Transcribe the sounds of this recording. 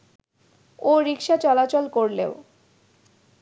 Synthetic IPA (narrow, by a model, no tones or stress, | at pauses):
oɾikʃat͡ɕɔlat͡ɕolkoɾlḛo